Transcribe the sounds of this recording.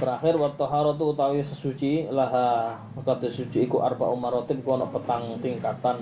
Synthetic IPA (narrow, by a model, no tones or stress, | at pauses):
bəɾaxɪrwart̪əɦaɾɔt̪̬uut̪awisəsut͡ʃilaɦa | kat̪isut͡ʃiːkuʔa̰rba̰ʔumarɔt̪ɪp̚kuɔnɔ̰ʔpət̪aŋt̪iŋkat̪an